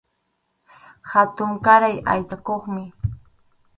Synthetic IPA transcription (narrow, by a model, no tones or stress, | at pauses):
xat̪ʊŋkaɾaja̰jt̪akoχmɪ